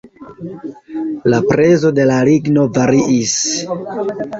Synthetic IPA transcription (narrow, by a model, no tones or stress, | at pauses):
lapɾe̞zo̞de̞laliɡno̞vaɾiʔis